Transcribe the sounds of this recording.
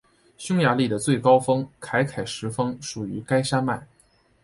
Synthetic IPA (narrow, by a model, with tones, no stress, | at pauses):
ɕjʊ˥ŋja˧˥li˥˩d̪ə˩t͡swe˥˩ɪkɑ˥ʊfɤ˥ŋkʰa˧˥ɪkʰa˨˩ɪʂɻ̩˧˥fɤ˥ŋʂu˨˩y˧˥ka˥ɪʂa˥nma˥˩ɪ